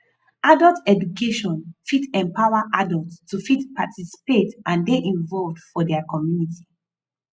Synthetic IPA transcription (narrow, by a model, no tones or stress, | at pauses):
ʔadəltɛd͡ʒukeʃɔ̃nfitɛ̃mpawaʔadəltstʰːufitpatʰisi̥petʔãndeʔĩnvɔlvdfɔdɛakɔmjunitʰi̥